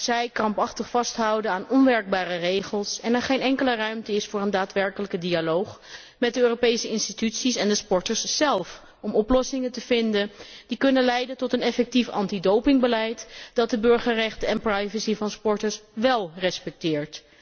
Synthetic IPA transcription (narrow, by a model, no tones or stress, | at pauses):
sɛjkrɑmpɑχtəχfɑstɦʌwdənaːnɔnʋɛɹɡ̚baːrərejχəlˠsɛnɛɹχejnɛŋkələrœɥmtəɪsfʊːɹəndaːtʋɛɹkələkədialowχ | mɛt̚dəøːropejsəɪnstitytsisɛndəspɔɹtəɹsːɛlˠf | ɔmɔplɔsɪŋəntəv̥ɪndənd̥ikɵnənlɛjdəntɔtənɛfɛk̚tifɑ̰ntidowpɪŋbəlɛjtd̥ɑt̚dəbɵɹχərɛχtəɛnprajvəsivɑnspɔɹtəɹsʋɛlˠrɛspɛk̚tɪːɹt